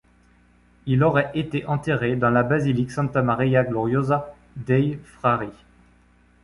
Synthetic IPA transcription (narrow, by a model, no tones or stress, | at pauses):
ilɔʁɛet̪eʔɑ̃t̪eʁed̪ɑ̃labaziliksɑ̃t̪amaʁijaɡlɔʁjoza | d̪ɛjfχaʁi